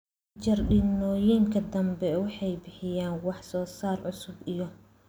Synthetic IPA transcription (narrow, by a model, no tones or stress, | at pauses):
t͡ʃɐrɗɪnɔːjiŋkʰɐd̪ɐmbɛwɑħɑjbɪħɪjaːnwɑħsɔːsaːrʕʊsʊbijɔ